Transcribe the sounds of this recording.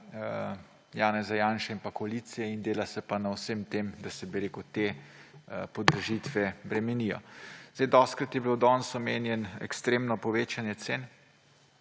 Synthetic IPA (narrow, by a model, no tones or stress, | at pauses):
jaːnɛzajaːnʃɛinpakɔalit̪sijɛind̪eːlasɛpanawsemt̪eːmd̪asɛbiɾeːkut̪eː | pɔd̪əɾʒit̪ʋɛbɾɛmɛnijɔ̰zd̪ajd̪ɔst̪̚kɾat̪jɛbilowd̪ɔːnsɔmeːnjɛnɛ̰kst̪ɾeːmnɔpɔʋeːt͡ʃanjɛt̪sen